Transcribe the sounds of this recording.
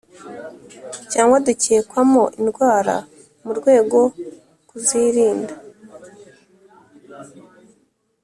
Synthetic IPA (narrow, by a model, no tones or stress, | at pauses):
caːŋɡwaduceekwamoʔinɡwaːɾa̰ | muɾɡwe̞ːɡo̞ | kuziːɾiːnda